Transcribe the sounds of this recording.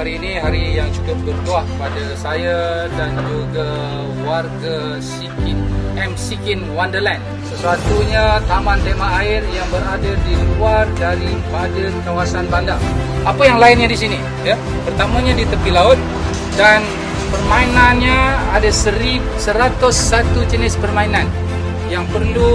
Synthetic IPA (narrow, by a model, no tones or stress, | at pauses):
aɾiːniɦaɾijaŋt͡ʃukʊp̚bərt̪uaʔpadasaja | dand͡ʒuɡa | warɡa | sikinɛmsikinwandərlɛn | səsuat̪uɲat̪amant̪emaaɪrjaŋbəɾadadiluardaɾipadənkawasanbandaŋ | apajaŋlaɪnɲadis̬ini | ja | pərt̪amãɲadit̪əpilaʊt̪̚ | dan | pərmainanɲaadasəɾi | səɾat̪ʊsːat̪ud͡ʒənɪspərmainan | jaŋpərlu